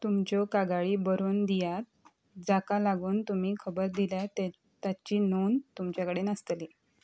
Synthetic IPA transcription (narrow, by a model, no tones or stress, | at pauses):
t̪umt͡ɕokaɡaɭiːbəɾuːnd̪ijat̪̚ | d͡zakalaɡuːnt̪um̤iːkʰəbəɾd̪iljat̪e | t̪at͡ɕiːnont̪umt͡ɕjakəɽenəst̪liː